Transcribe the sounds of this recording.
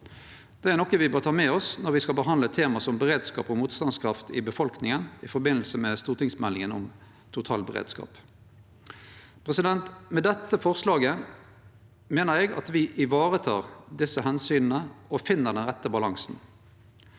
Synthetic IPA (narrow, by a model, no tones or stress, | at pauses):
d̪̥ɛæʁnɔkːəʋɪbøːʁt̪ʰɑːmɛɔsnɔɾʋɪskɑbəɦɑnd̪lət̪ʰeːmɑsɔmbəʁeːd̪skɑ̰ːpɔmuːt̪st̪ɑnskʰɾɑft̪ɪbəfɔlknɪŋənɪfɔɾbɪnl̩səmɛst̪uːʁt̪ɪŋsmɛlːɪŋənɔm | t̪ʰʊt̪ʰɑ̰ːlbəʁḛːd̪skɑ̰ːp | pʰʁɛsɪd̪ɛnt̪mɛd̪ɛt̪ːəfɔʁslɑːɡə | meːnəɾɛɡɑ̰t̪ʋɪʔɪʋɑːʁət̪ʰɑːʁd̪ɪsːəhɛnsyːnn̩əʔɔfɪnːəd̪ɛnʁɛt̪ːəbɑlɑŋsn̩